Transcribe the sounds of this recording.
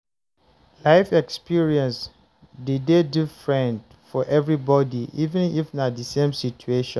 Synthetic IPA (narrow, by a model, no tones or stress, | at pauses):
laɪfɛkspʰiɹiɛ̃ns | didedufɹɛ̃nd | fɔʔɛvɹibɔdiivɨ̃nifnadisẽmsit͡ʃueʃɔ̃n